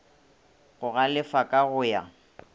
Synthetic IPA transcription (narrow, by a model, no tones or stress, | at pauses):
ɣʊɣalɪfakʼaɣʊja̰